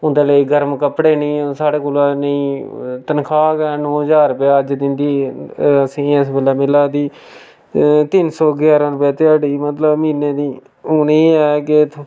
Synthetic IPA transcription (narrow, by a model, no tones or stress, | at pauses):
ʊnd̪eːləiɡəɾmkəpɽeːnĩːsaːɽeːkoːlaːnəĩːt̪ənkʰaːkɛːnɔ̃ːəd͡ʒaːɾəpjaːəd͡ʒd̪ɪnd̪iːəsĩːəs̬bəlaːmɪlaːd̪iː | t̪ɪnsɔːɡjaːɾãːɾʊpjaːt̪ɪaːɖiːmət̪ləbmiːnẽːd̪iː | ʊniːɛːk̬et̪ʰ